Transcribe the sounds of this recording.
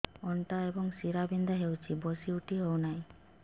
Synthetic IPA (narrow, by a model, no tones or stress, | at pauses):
ɔɳʈaebɔŋsiɾabind̪ʱaɦewt͡ʃʰibosiuʈiɦownaĩ